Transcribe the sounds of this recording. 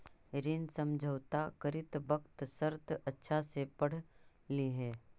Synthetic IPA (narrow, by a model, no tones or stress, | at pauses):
ɾɪnsə̃md͡ʒʱəwt̪akəɾɪt̪bɐkt̪səɾt̪ɐtːʃʰasepəɽ̤ | liɦɛː